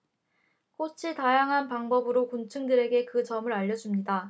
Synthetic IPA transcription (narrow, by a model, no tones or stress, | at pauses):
k͈ot͡ɕʰitajaŋɦanpaŋbʌbɯɾokunt͡ɕʰɯŋdɯɾe̞ɡe̞kɯt͡ɕʌmɯɾaʎːʌd͡ʑumɲida